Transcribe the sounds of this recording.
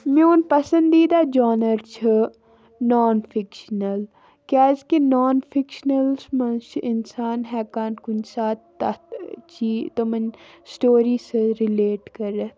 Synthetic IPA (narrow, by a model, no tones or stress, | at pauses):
mẽoːnpɐsə̃nd̪iːd̪aːd͡ʒaːnəɾt͡ʃʰə | nɔːnfʰɪkʃnɐl | kaːzkenaːnfʰɪkʃnɐlsmɐnʃɪnsaːnɦɛːkaːnkʊnsaːt̪t̪ɐ̰t̪t͡ʃiːt̪omɐnsʈoːɾiːsɾileːʈkɐɾːe